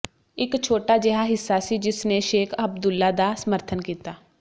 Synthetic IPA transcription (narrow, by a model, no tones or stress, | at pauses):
ɪkt͡ʃʰoːʈaːd͡ʒɛɦaːɦɪsːaːsid͡ʒɪsneʃeːkʰəb̚d̪ʊlːaːd̪aːsəməɾt̪ʰənkiːt̪aː